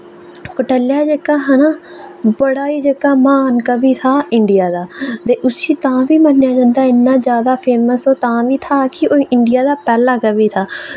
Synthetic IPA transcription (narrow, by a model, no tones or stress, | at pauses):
kəʈəljaːd͡ʒekːaːɦənaː | bəɽaːiːd͡ʒekːaːmaːnkəbiːt̪ʰaːɪɳɖɪjaːd̪aːt̪eːʔʊsiːt̪ãːʋiːmənːjaːd͡ʒãːnd̪aːɪnːaːd͡ʒjaːd̪aːpʰeːməsoːt̪ãːʋiːt̪ʰaːkɪoːʔɪɳɖɪjaːd̪aːpɛːlaːkəʋiːt̪ʰaː